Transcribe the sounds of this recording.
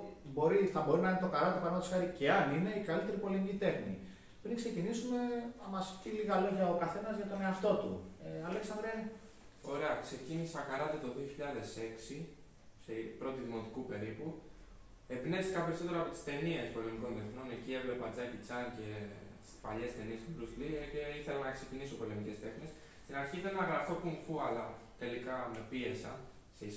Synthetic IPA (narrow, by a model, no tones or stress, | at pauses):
bo̞ɾiθɐbo̞ɾinɐinet̪o̞kɐɾɐt̪ipɐɾnot̪isxɐɾice̞ɐnine̞ikalit̪e̞ɾipo̞limicit̪e̞xnḭ | pɾiŋkse̞cinisume̞mɐst̪iliɣɐlo̞ʝɐokɐθe̞nɐzʝɐt̪one̞ɐft̪o̞t̪ṵeɐleksɐnd̪ɾiɐ | o̞ɾe̞ɐkse̞cinisɐxɐɾɐt̪et̪o̞ðio̞çiʎɐðe̞se̞ksi | sepɾo̞t̪iðimo̞t̪ikupe̞ɾipu | e̞pne̞fsi̥kɐpe̞ɾiso̞t̪e̞ɾoɐːpot̪i̥st̪e̞niespo̞lemiko̞nðeθno̞necie̞vle̞pɐd͡zɐcit͡sɐnce̞ | t̪i̥spaʎe̞st̪e̞niest̪ubɾuslieiθe̞lɐnɐeksecinisopo̞lemice̞st̪e̞xne̞s | st̪inɐɾçiðenɐɣɾɐθo̞kuɱfuɐlɐt̪e̞likɐme̞pie̞sɐ̰ | seis